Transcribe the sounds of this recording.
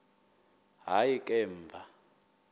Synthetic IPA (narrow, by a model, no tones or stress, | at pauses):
ɦajikʼɛːmvʱa